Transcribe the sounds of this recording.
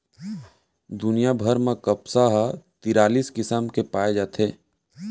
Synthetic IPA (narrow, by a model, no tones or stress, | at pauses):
d̪ʊnijabʱəɾmẽkəpsaɦat̪ɪɾaːliːskɪsamkepaːed͡ʒaːt̪ʰeː